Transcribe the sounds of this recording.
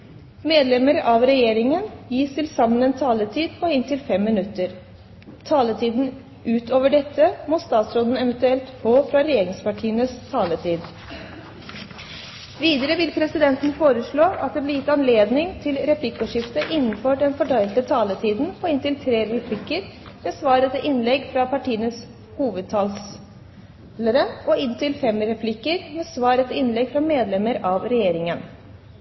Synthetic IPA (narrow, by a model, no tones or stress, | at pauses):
meːd̪lɛməɾɑʋɾɛjeːɾɪŋənjiːst̪ʰɪlsɑmːənɛːnt̪ʰɑːlət̪ʰiːd̪pʰɔɪnt̪ʰɪlfɛmːɪnʉt̪əɾ | t̪ʰɑːlət̪ʰiːd̪n̩ | ʔʉːt̪oːʋəɖɛt̪ʰːəmɔst̪ɑːt̪sɾoːd̪n̩ɛʋənt̪ʉɛlt̪foːfɾɑɾɛjeːɾɪŋspɑʈʰiːənəst̪ʰɑːlət̪ʰiːd̪ | ʋiːd̪əɾəʋɪlpʰɾɛsɪd̪ɛnt̪n̩foːɾəʂɭoːʔɑt̪̚d̪ɛːblɪɾjɪt̪ːɑnleːd̪nɪŋt̪ʰɪlɾɛpʰlɪkːʊʂɪft̪əʔɪnːənfɔɖɛnfɔʈʰɑɪlt̪ət̪ʰɑːlət̪ʰiːd̪n̩pʰɔɪnt̪ɪlt̪ʰɾeːɾɛpʰlɪkːəɾ | meːsʋɑːɾət̪ɪʔɪnlɛɡfɾɑpɑʈʰiːənəs | huːʋəd̪̚t̪ʰɑːls | ləɾəʔɔɪnt̪ɪlfɛmɾɛpʰlɪkːəɾmeːsʋɑːɾət̪ʰɪɪnlɛɡfɾɑmeːd̪lɛmːəɾɑʋɾɛjeːɾɪŋən